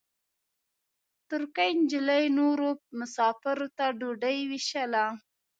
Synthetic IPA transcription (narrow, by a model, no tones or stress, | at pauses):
t̪ʊɾkajnd͡ʒɪlajnoɾopmʊsɑfɪɾot̪aɖoɖajwiʃala